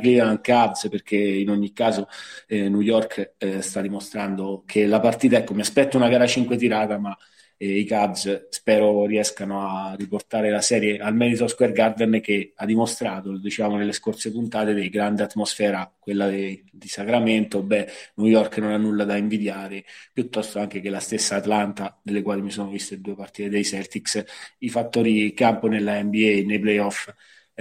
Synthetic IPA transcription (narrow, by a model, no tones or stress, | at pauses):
kiaŋkabsperkʰeinoɲːikːaːzonujɔrkst̪ad̪ːimost̪ɾand̪okʰelapart̪iːt̪aɛkːomiaspɛt̪ːounaɡaːɾat͡ʃiŋkwet̪̬iɾaːt̪ama | ikabsspɛːɾoriɛskanoarːiport̪aːɾelasɛːɾjeʔalmɛd̪it̪oskwɛrɡard̪ɛnk̟ead̪ːimost̪ɾaːt̪od̪it͡ʃaːmonelːeskorsepunt̪aːt̪ed̪ejɡɾand̪eat̪ːmosfɛːɾakwelːad̪isakɾament̪obːɛnujɔrknonanːulːad̪aiɱvid̪jaːɾepjut̪ːɔst̪oaŋk̟ekelast̪esːaːt̪lant̪ad̪elːekwaːlimisoːnovist̪ed̪uːepart̪iːt̪ed̪ejsɛrt̪iksifat̪ːoːɾikamponelːaɛmbiɛnejplɛjɔf